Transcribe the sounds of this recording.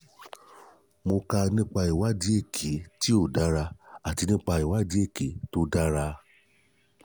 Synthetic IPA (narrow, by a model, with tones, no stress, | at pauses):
mo˧ka˧nĩ˦k͡pa˧i˨wa˨˦di˦e˦˨kʰe˨˦ti˦o˦˨da˦ɾa˧a˨ti˧˦nĩ˦k͡pa˧i˨wa˨˦di˦e˦˨ke˨˦to˦da˦ɾa˧